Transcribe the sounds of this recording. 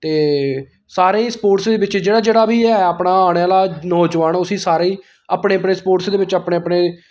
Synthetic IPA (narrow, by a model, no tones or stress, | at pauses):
t̪eː | saːɾẽːspoːʈsd̪eːʋɪt͡ʃd͡ʒeːɽaːd͡ʒeːɽaːbʱiːɛːəpɽaːaːɽeaːlaːnɔːd͡ʒʋaːnʊsĩːsaːɾeiː | aːpɽeːəpɳeːspoːʈsd̪eːʋɪt͡ʃapɳeːəpɽeː